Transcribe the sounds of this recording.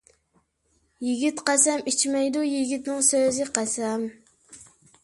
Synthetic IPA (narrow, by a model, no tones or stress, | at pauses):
jiɡʲit̪qæsɛmit͡ʃʰmɛjd̪ujiɡʲit̪nɨŋsøzɪqʰæsɛm